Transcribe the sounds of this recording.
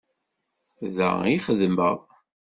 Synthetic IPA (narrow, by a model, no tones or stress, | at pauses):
ðæ̰iχəðməʁ